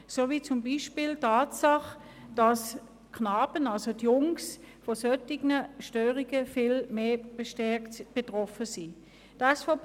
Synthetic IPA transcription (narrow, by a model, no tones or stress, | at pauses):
soːviːt͡sʊmbiʃpiltaːtsɑχ | d̥ɑs | kʰnɑːbənɑlzodjʊŋs | fosœtɪɡnəʃtøːʁiɡəfɪlmeːb̥eʃtɛɐktb̥etʁɔfəsiː | d̥aɛsfɔ